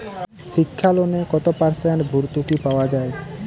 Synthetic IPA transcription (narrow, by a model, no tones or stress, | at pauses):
ʃikʰːalonekɔt̪opaɾsɛanbʱuɾt̪ukipaoad͡ʑae